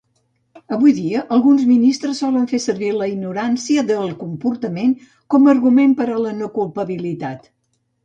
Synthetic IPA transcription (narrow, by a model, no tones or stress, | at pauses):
əβujðiəʔəlˠɣunzminist̪ɾəsːɔləɱfesərβiləiɡnuɾansiəðəlˠkumpuɾt̪əmeŋ | kɔmərɣumempəɾələnokulˠpəβilit̪at̪